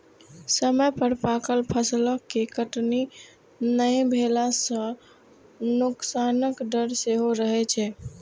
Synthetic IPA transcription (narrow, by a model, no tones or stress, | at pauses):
səməjpəɾpakəlpʰəsləkːekəʈni | nəjbʱelasə̃ | nuksanəkɖəɾseɦoɾəɦɛt͡ʃʰɛ